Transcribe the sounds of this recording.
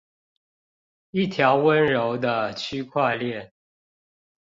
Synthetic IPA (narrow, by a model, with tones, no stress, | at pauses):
i˥˨t̪ʰjɑ˨˦ʊwə˦nɻo˨˦ʊd̪ə˧t͡ɕʰy˦˥kʰwa˥˧ljɛ˥˨n